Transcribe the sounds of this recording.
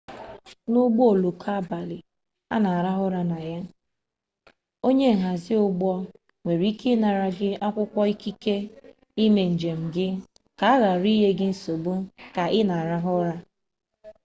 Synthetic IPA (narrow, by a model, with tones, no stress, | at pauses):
nʊ˦ɡ͡bo˦o˨lo˨kʰa˦ba˨lɪ˨ | a̰˦na˨a˨ɾa˦ɦʊ˦ɾa˦na˨ja˦ | o˦ɲe˦ŋ̩˨ɦa˨zɪ˦ʊ˦ɡ͡bɔ˦ | ŋʷe˨ɾi˦ke˦na˨ɾa˨ɡɪ˦a˦kʷʊ˦kʷɔ˦i˦ki˦ke˦ | i˦me˨n̩˨d͡ʒe˨m̩˨ɡɪ˦ | ka˨a˦ɣa˨ɾi˦ɦe˦ɡɪ˦n̩˦so˨bu˦ka˨ʔɪ˦na˨a˨ɾa˦ɦʊ˦ɾa˦